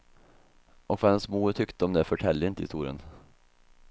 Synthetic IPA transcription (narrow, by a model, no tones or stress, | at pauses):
ʔɔkvɑɛnsmuːɾt̪ʰʏkt̪əɔmd̪ɛfœʈʰɛlːəɪnt̪əɪst̪uːɾɪə̰n